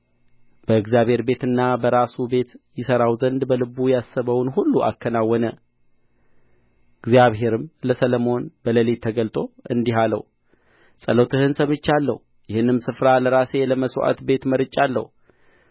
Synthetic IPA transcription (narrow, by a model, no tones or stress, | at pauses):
b̥əɨɡzjaβhe̞ɾbe̞t̪ɨnːabəɾasube̞t̪jɪsəɾawzənd̪bəlɨbujasːəβəwnhulːuʔa̰kʰːənawːɔnə | ɨɡzjaβɦe̞ɾɨmləsələmo̞nbələlit̪ʰəɡəlt̪ʼo̞ɨnd̪iɦalə̰w | sʼə̰lot̪ʰɨhɨnsəmɨt͡ʃːalːə̰hu | jɪhɨnːɨmsɨfɾaləɾase̞ləməswʔa̰t̪be̞t̪məɾɨt͡ʃʼːalːə̰hu